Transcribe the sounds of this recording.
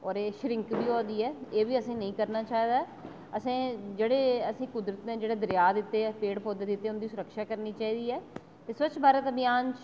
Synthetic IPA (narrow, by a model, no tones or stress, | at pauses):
ɔːɾeːʃɾɪ̃ŋkbiːoːd̪iːɛːeːʋiːəsĩːnəĩːkəɾnaːt͡ʃaːiːd̪aː | əsẽːd͡ʒeːɽeːəsĩːkʊd̪ɾət̪nẽːd͡ʒeːɽeːd̪əɾjaːd̪ɪt̪ːeːpeːɽpʰoːd̪eːd̪ɪt̪ːeːʊnd̪iːsʊɾəkʃaːkəɾniːt͡ʃaːiːd̪iːɛː | t̪eːswət͡ʃbʱaːɾət̪əbɪjaːnt͡ʃ